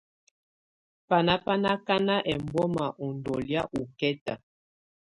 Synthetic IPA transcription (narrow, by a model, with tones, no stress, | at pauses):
pa˨na˦pa˦na˦ka˦na˦ʔɛ˨mbɔ˦ma˨ʔɔ˨ndɔ˨lja˦ʔu˨kɛ˦ta˨